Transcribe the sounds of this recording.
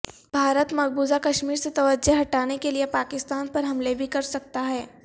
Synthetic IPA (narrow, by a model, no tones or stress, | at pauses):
bʱaːɾət̪mɐɡ̚buːzakɐʃmiːɾset̪ɐʋəd͡ʒəɦɐʈaːnekeliepaːkɪst̪aːnpɐɾɦɐmlebʱikɐɾsɐk̚t̪aɦɛː